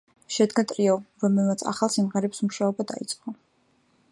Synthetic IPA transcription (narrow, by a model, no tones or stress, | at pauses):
ʃɛd̪ɡat̪ʼɾiɔɾɔmɛlˠmat̪sʰa̰χalˠsimʁɛɾɛpsmuʃaɔbad̪a̰it̪sʼqʼɔ